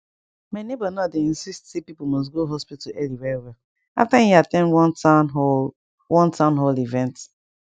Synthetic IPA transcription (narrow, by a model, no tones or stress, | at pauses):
manebɔnɔdeĩnsistsepipomɔs̬ɡoɦɔspittuɛliwɛwɛ | a̰ftãiatɛ̃nwɔ̃n | wʔɔ̃ntãʊ̃nɦolivɛ̃nt